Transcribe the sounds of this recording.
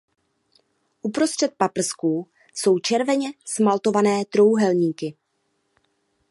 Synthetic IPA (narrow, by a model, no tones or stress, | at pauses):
ʔupɾo̞st̪r̥ɛt̪̚papr̩skuː | so̞wt͡ʃɛɾvɛɲɛsmalt̪o̞vanɛːt̪ɾo̞wɦɛlɲiːkɪ